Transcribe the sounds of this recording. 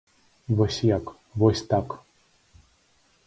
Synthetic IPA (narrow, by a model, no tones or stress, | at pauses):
vɔsʲjak | vɔsʲt̪ak